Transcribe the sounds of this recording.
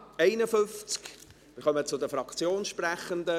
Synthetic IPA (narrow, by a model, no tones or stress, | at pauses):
ɛɪnəfʏnft͡sk | mɪɾχœmət͡sʊdəfrɑkt͡sjoːnʃprɛχənd̪ə